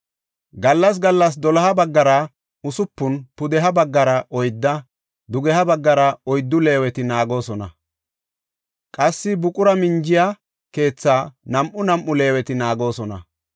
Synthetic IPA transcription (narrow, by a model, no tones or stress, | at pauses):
ɡɐlːɐs̬ɡɐlːɐs̬d̪ɔlɐɦɐbɐɡːɐɾɐ | ʊsʊpːʊnpʊd̪ɛɦɐbɐɡːɐɾɐʔɔjd̪ːɐ | d̪ʊɡɛɦɐbɐɡːɐɾɐɔjd̪ːʊle̞ːwɛt̪ɪnaːɡo̞ːsɔnɐ̰ | kʼɐsːɪbʊkʼʊɾɐmɪnd͡ʒɪja | ke̞ːt͡sːaːnɐmʔʊnɐmʔʊle̞ːwɛt̪ɪnaːɡo̞ːsɔnɐ̰